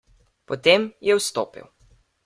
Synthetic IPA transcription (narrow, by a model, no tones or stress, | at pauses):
pɔt̪emjɛwst̪o̰ːpḭw